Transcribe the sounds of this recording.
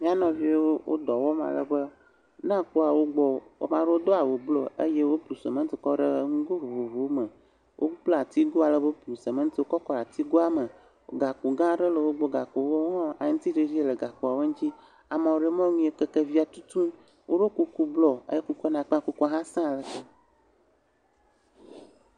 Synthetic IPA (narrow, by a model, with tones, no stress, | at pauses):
mĩ˦a˦nɔ̃˨vi˦e˦wo˦wʔo̰˦d̪ɔ˨wɔ˦mã̰˨lə̰˨bə˦ | nã˦ko˦a˨wo˦ɡ͡bɔ˨o̰˦mã˦ɖə˦wo˦d̪ɔ˦a˨wo˨blɔ˨ə̰˦je˦wo˦plu˨sə˨mə̃˦t̪i˨kɔ˦ɖə˦ŋũ˦ɡo˦vo˨vo˨vo˨wo˦mə˨ | wʔo̰˦k͡ple˦a˨t̪i˦ɡo˦a˨lə˨bo˦plu˨sə˨mə˦t̪i˦wo˦kɔ˦kɔ˦a˨t̪i˦ɡo˦a˦mə˨ | o˨ɡa˨ku˨ɡã˦ɖə˦lə˨wo˦ɡ͡bo˦ɡa˨ko˨wo˦ŋɔ̃˦a˨ŋũ˦t̪i˦ɖe˦vi˦e˦˨le˨ɡa˨ko˨a˨we˦ŋ̩˦t͡ɕi˦ | a˨mã˨wo˨ɖe˦me˦o˦ɲũ˦e˨ke˦ke˦vi˦a˨t̪u˦t̪ũ˦ | wʔo˦ɖo˦ku˦ku˦blɔ˨ə̰˦je˦ku˦kɔ˦nã˨k͡pku˦kɔ˦ɦã˦sã˦˨lə˨te˦